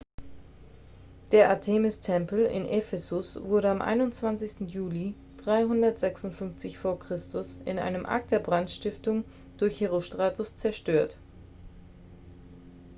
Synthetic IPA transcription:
d̥eːɐʔatʰeːmɪstʰɛmpl̩ɪ̰nʔɛfɛzʊsv̥ʊɐɾəamʔa̰ɪnʊntt͡sv̥ant͡sɪçstn̩juːli | d̥ʁaɪɦʊndɐtz̥ɛksʊntfʏnft͡sɪçfoːɐkʁ̥ɪstʊsɪnʔa̰ɪnəmʔa̰k̚t̚d̥eːɐbʁantʃtɪftʊŋ | d̥ʊɐçheʁoʃtʁ̥aːtʰʊst͡sɛɐʃtøːɐt

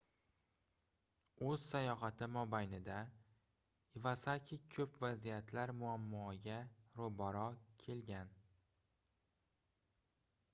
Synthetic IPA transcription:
ɵz̥sajɒɦɑt̪ʰɪmɒbajnɪd̪a | ivasakʲʰɪkʰɵpvazijat̪ʰlaɾmʊamːɒɡʲaɾobɒɾɒkʲʰe̞lɡʲan

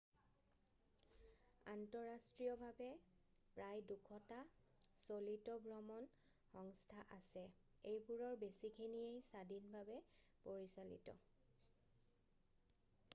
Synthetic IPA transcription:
antɔɹastɹijɔbʱabɛ | pɹajdukʰɔta | solitɔbɹɔmɔn | xɔŋstʰaʔasɛ | ejbuɹɔɹbesikʰeniejsadinbʱabɛ | poɹisalḭtɔ̰

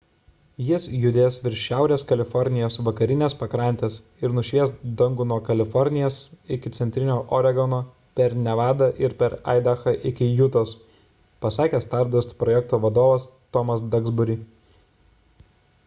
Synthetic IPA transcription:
jɪsjʊd̪ʲeːsʋʲɪɾʲʃʲʃʲæˑʊɾʲeːskɐlʲɪfɔɾʲnʲɪjoːsʋɐkɐɾʲɪnʲeːspɐkɾɐˑnʲt̪ʲeːs | ɪɾnʊʃʲʋʲiɛst̪d̪ɐŋɡʊnoɔkɐlʲɪfɔɾʲnʲɪjɛsɪkʲɪt̪ʲɛnʲt̪ʲɾʲɪnʲoːʔɔɾʲɛɡɔnoː | pʲɛɾnʲɛʋɑːd̪ɐʔɪɾpʲɛɾ̰ɪd̪ɐxɐʔɪkʲɪjʊt̪os | pɐsɑːkʲeːst̪ɑɾd̪ɐst̪pɾɔjɛk̚t̪oːʋɐd̪oːʋɐst̪ɔmɐsd̪ɐɡzbʊɾʲiː

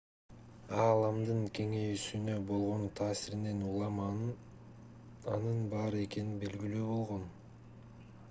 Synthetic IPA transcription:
ɑːlˠɑmd̪ɯŋkʰe̞ŋe̞jysynø̞bo̞lˠʁo̞nt̪ʰɑːsiɾine̞nulˠɑm | ɑnɯnbɑːɾɯe̞ke̞nibe̞lɡilyːbo̞lˠʁo̞n

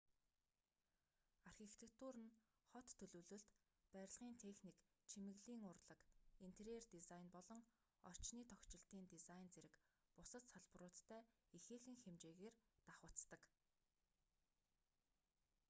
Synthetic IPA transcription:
arxʲit̪ʰekt̪ʰuɾə̆n | χɔt̪ʰːɵɮɵ̆wɮɵ̆ɮt̪ | pæɾʲɪ̆ɮʁiːnt̪ʰexnik | t͡ɕʰimɘ̆ɣɮiːŋʊrɮə̆kin̥t̪ʰeɾert̪isajnpɔɮɞ̆ŋ | ɔ̰r̥t͡ɕniːt̪ʰɔkt͡ɕɪ̆ɬt̪iːnt̪isajnt͡seɾɘ̆kpʊsə̆t̪saɮpə̆rʊːt̪ʰːæːixeːxɘ̆ŋxemt͡ɕeːɣeːrt̪aχʊːt͡st̪ə̆k

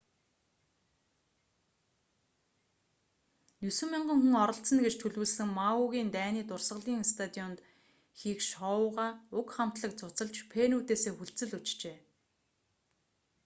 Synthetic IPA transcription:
nusɘ̆miɴɢə̆ŋxuŋɔɾɞ̆ɬt̪t͡sə̆nɡet͡ɕt̪ʰɵɮwɘ̆ɮsɘ̆ŋmauɣʲiːnt̪æːniːt̪ʊrsə̆ɮiːŋst̪ʰat̪iɔnt̪ | xiːkʃɔʊːʁaːʊkχam̥t̪ɮə̆k̚t͡sʊt͡sə̆ɮt͡ɕpʰenuːt̪eːseːxuɮt͡sɘ̆ɮut͡ɕt͡ɕeː

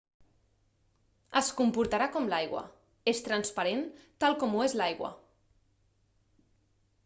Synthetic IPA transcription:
əskumpuɾt̪aɾakɔmlajɣwa̰ | est̪ɾanspaɾent̪alˠkɔmuezlajɣwa̰

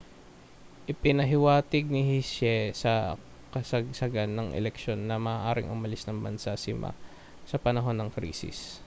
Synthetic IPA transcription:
ʔɪpɪnɐɦɪwaːt̪ɪɡ̚nɪhiʃɛsɐ | kɐsɐɡ̚sɐɡanːɐŋʔɛ̰lɛkʃo̞nːɐmɐʔːʔaːɾɪ̰ŋʔʊmɐlɪsnɐŋbɐ̰nsasɪma̰ | sɐpɐnɐɦo̞nːɐŋkɾḭːsɪ̰s

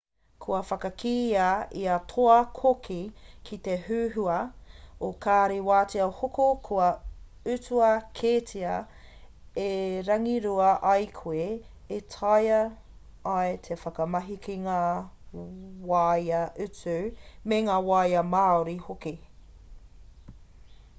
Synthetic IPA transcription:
kʰuɐfɐkɐkʰiːɐiɐtʰoɐkʰokʰikʰit̪eɦʉːɦuɐokʰaːɾewaːtiɐhokokʰuɐ | ʉt͡suɐkʰeːtʰiɐ | eɾɐŋiɾuɐʔɐjkʰoe | etʰɐjɐː | et̪ʰefɐkɐmɐɦikʰiŋaː | waːjɐʔʉt͡sʉmeŋaːwajɐmaːoɾihoki

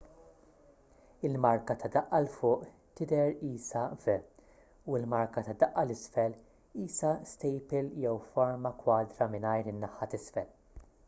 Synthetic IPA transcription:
ɪlmɐɾkɐt̪ɐd̪ɐʔːɐlfʊːʔ | t̪ɪd̪ɛɾiːsɐvɛ | uɪlmɐɾkɐt̪ɐd̪ɐʔːɐlɪsfɛl | iːsɐst̪ɛjpɪljɛwfɐɾmɐkwɐːd̪ɾɐmɪnɐjɾɪnːɐħːɐt̪ɪsfɛl

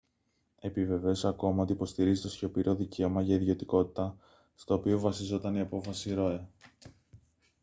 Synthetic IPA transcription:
e̞pive̞ve̞o̞sɐko̞mɐo̞t̪ipo̞st̪iɾizit̪o̞sço̞piɾo̞ðice̞omɐʝɐiðʝo̞t̪iko̞t̪i̥t̪ɐ | st̪o̞ːpio̞vɐsizo̞t̪ɐniɐpo̞fɐsiɾo̞e

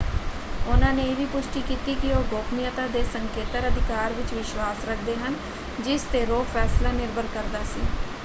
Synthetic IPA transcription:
ʊnãːneːeːʋiːpʊʃʈiːkiːt̪iːkɪoːɡoːkʰmɪjət̪ãːd̪eːsəŋkeːt̪əɾəd̪ʱɪkaːɾʋɪt͡ʃʋɪʃwaːsɾəkʰd̪eːɦən | d͡ʒɪst̪eːɾoːfʰɛːslaːnɪɾbʱəɾkəɾd̪aːsiː

